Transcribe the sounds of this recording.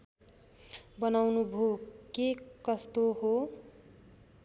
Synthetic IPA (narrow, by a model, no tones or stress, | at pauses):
bʌnawnubʱokekʌst̪oɦo